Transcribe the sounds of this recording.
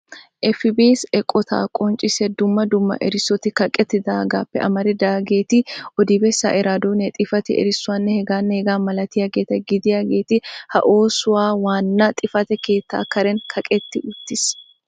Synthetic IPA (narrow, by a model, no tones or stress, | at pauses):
ʔɛfɪbeːsɛkʼːɔt̪ʰa̰ːkʼɔnt͡ʃʼɪsɛd̪ʊmːɐd̪ʊmːɐ̰ʔɛɾɪsːɔt̪ɪkɐkʼɛt̪ːɪd̪aːɡaːpːɛʔɐmɐɾɛd̪aːɡe̞ːt̪ɪʔɔd̪iːbɛsːa̰ːʔɪɾaːd̪oːnɛt̪ʼɪfɐt̪ɪ̰ɛ̰ɾɪsːʊɐnːɛhɛɡaːnːɛhɛɡaːmɐlɐt̪ɪjɐɡeːt̪ɛɡɪd̪ɪjɐɡe̞ːt̪ɪhɐʔoːsʊwaːwaːnːat̪ʼɪfɐt̪ɛke̞ːt̪ːa̰ːkɐɾɛnkʰɐkʼɛt̪ːɪʊt̪ːɪs